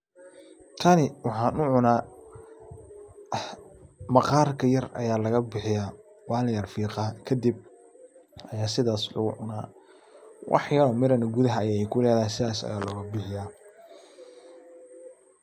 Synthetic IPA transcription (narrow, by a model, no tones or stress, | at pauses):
kʰɐnɪwɑħɑːnʊʕʊnaː | mɑqɑːrkʰɐjɐrɐ̰jaːlɐɣɐbɪħɪjaː | wɑːljɐrfiːqɑkʰɐd̪ib̚ | ʔɐjaːsɪðaːslʊ̰ɣʊ̰ʕʊnaː | wʔɑ̰ħjɐlɔmɪɾɐnɐɡʊðɐɦɐːjaːɛjkʰʊlɛːðaːjsɪðaːsɐ̰jaːlɔːɣɐbɪħɪjaː